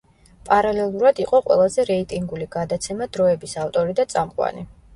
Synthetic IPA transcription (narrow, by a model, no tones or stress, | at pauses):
pʼaɾalɛlˠuɾad̪iqʼɔqʼwɛ̰lˠazɛɾɛit̪ʼiŋɡuliɡ̥ad̪at̪sʰɛmad̪ɾɔɛbisaft̪ʼɔɾid̪at̪sʼamqʼwa̰ni